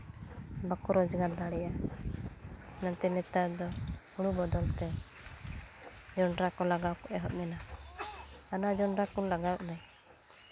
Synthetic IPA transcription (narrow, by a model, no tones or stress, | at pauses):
bakuɾɔd͡ʒɛɡaɾd̪aɽɛja | nant̪ɛnɛt̪ad̪ɔhuɽubɔd̪ɔlt̪ɛ | d͡ʒɔɳɾakɔlaɡawkɔʔɛɦɔʔmɛna | anad͡ʒɔɳɾakɔlaɡawʔnaj